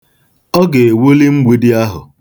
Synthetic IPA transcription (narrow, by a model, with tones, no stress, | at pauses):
ɔ˦ɡe˨e˨wo˦li˦ŋ͡m̩ʷ˦i˦di˦a˦ɦʊ̰˨